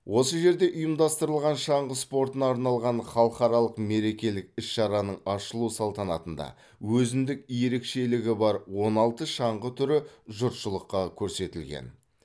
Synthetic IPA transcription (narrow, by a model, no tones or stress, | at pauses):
wʔo̞səʒe̞ɾd̪e̞ʔʊjəmd̪ɑst̪əɾəlˠʁɑnʃɑɴʁəspo̞ɾt̪ənɑːɾnɑlˠʁɑnχɑlˠəqɑɾɑlˠəqme̞ɾe̞kʲe̞lɪk̚ɪsʃɑɾɑnəɴɑʃəlˠusɑlˠt̪ɑnɑt̪ənd̪ɑ̰ | wɵzɪnd̪ɪk̚je̞ɾe̞kʃe̞lɪɡʲɪbɑɾwo̞nɑlˠt̪əʃɑɴʁət̪ʰʏɾɪʒʊɾt̪ʃəlˠəqːɑkʲʰɵɾse̞t̪ɪlɡʲḛn